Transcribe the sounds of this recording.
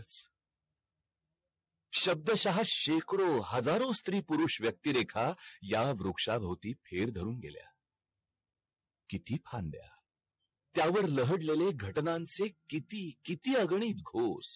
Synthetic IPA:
t͡s | ɕəb̚d̪əɕaɦaɕekɽoɦəd͡zaɾost̪ɾiːpuɾuːʂʋjək̚t̪iɾekʰajaʋɾokʂabʱəwt̪iːpʰeɾd̪ʱəɾuːnɡḛlja̰ | kit̪iːpʰãnd̪ja̰ | t̪jaʋəɾləɦəɽleleɡʱəʈnãnt͡sekit̪iːkit̪iːəɡɳ̃iːt̪̚ɡʱos

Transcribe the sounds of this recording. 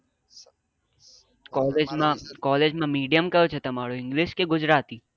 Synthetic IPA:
kɔled͡ʒmãkɔːled͡ʒmãmiːɖijəmkəjot͡ʃʰet̪əmaɽoɪŋɡliʃkeɡʊd͡ʒɾat̪iː

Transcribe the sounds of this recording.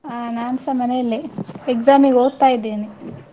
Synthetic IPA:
anaːnsɐmɐnejɐlːiekzaːmiɡoːɡt̪aːjid̪ːeːni

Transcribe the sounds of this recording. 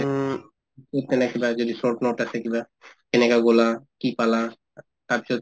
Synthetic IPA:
kot̪enakibad͡ʑod̪iʃoʈnoʈasʰekiba | kenekaɡolakipala | t̪ab̚t͡ʃo

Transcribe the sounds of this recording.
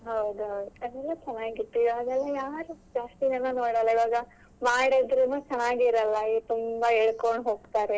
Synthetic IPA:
ɦɐwd̪uɦɐwd̪uɛd̪ɛlːɐt͡ʃɐnːaːɡiʈ̪ːijaːɡɛlːejaːɾud͡ʒaːst̪inɐnːunoːɽɐlːɐiʋaːɡɐ | maːɽid̪ɾunːuːt͡ʃɐnːaːɡiːɾɐlːɐit̪umbɐeɭkoɳɖɦo̞ːɡt̪aːɾe

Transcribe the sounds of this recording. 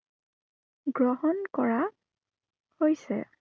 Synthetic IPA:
ɡɹɔɦɔnkɔɹa | hojsɛ̰

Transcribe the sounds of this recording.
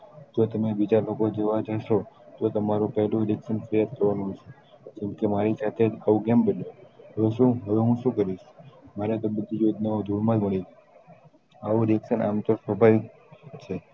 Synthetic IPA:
d͡ʒot̪əmebid͡ʒalokod͡ʒəʋad͡ʒaʃot̪ot̪əmaɾũpəɦlũɾeksənfəɾjad̪̚kəɾʋanũɦoʃe | d͡ʒɛmkemaɾisat̪ʰed͡ʒaũɡembəneɦəʋeʃũɦəʋeɦũʃũkəɾiʃmaɾet̪əbəd̪ʱijod͡ʒ̪naod̪ʱuɾmãlməɭi | aʋũɾeksəna̰mt̪oɾsʋəbʱaʋ | t͡ʃʰe

